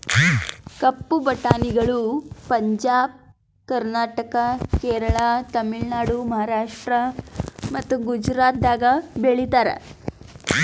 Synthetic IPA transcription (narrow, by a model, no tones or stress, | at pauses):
kɐpːubʱɐʈaːniɡɐɭupɐɲd͡ʒaːb̚ | kɐɾnaːʈɐkɐkeːɾɐɭat̪ɐmiɭnaːɽumɐɦaːɾaːʂʈɾɐmɐt̪ːuɡud͡ʒɾaːt̪̚d̪aːɡɐbeɭit̪aːɾḛ